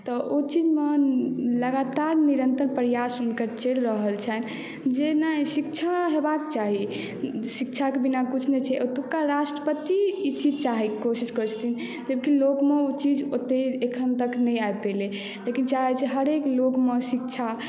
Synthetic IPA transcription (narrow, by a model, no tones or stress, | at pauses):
t̪ɔʔot͡ʃid͡ʒmeləɡat̪aɾniɾənt̪əɾpɾjasunkəɾt͡ʃelɾəɦəlt͡ʃʰɛn | d͡ʒenasik̚t͡ʃʰaɦebak̚t͡ʃaɦi | sik̚t͡ʃʰakebinakut͡ʃʰnɛt͡ʃʰɛʔot̪ukaɾasʈɾəpət̪iːt͡ʃid͡ʒt͡ʃaɦikosiskəɾt͡ʃʰt̪in | d͡ʒəbkilokmeot͡ʃid͡ʒot̪eekʰənt̪əknɛjaepele | lekint͡ʃaɦɛt͡ʃʰɛɦəɾeklokmesik̚t͡ʃʰa